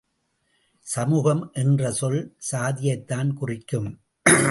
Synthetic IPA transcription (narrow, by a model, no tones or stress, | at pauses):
sɐmuːɣɐmʔɛndrɐsɔlsaːðɪjɐɪt̪ːaːnkʊrɪkːɯm